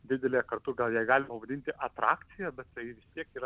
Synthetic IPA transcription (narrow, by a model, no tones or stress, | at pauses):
d̪ʲɪd̪ʲɛlʲeːkɐrt̪ʊɡɐlˠjiɛɡɑːlʲɪmɐpɐʋɐd̪ʲɪnʲt̪ʲɪʔɐt̪ɾɑ̰ːk̪t͡s̪ʲɪjɛbʲɛt̪t̪ɐɪɪʋʲɪst̪ʲiɛkiːɾɐ